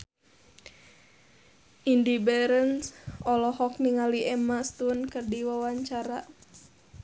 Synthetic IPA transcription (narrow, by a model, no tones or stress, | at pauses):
ʔindibɛɾənsɔlɔhɔk̚niŋaliʔɛmast̪unkərdiwawaɲt͡ʃaɾa